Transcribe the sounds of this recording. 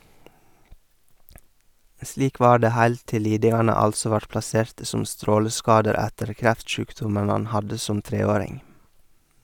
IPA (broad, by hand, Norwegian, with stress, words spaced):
ˈsliːk ˈʋɑː ˈɖeː ˈhæɪl ˈtɪl ˈliːdɪŋɑnə ˈɑlsɔ ˈʋɑɾt plɑˈseːɾtə ˈsʊm ˈstɾoːləˌskɑːdəɾ ˈætəɾ ˈkɾæftˌʃʉːkdʊmən ˈɑn ˈhɑdə ˈsʊm ˈtɾeːˌoːɾɪŋ